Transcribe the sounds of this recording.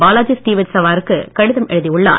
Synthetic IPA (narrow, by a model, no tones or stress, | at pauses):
baːlaːd͡ʒɪsʈiːʋɐtsɐʋaːɾɯkːɯkɐɽɯðɐmʔɛ̰ɻɯðiʊɭːa̰ː